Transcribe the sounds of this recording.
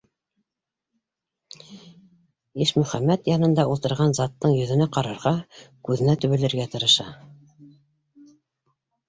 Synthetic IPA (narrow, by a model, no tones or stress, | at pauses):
iʃmɵ̆χæmːæt̪jɑnɤ̆nd̪ɑulˠt̪ɤ̆ɾʁɑnzɑt̪ːɤɴjɵ̆ðɘ̆næqɑɾɑɾʁɑkʉðɘ̆næt̪ɵ̆βɘ̆lɘ̆ɾɡæt̪ɤ̆ɾɤ̆ʃɑ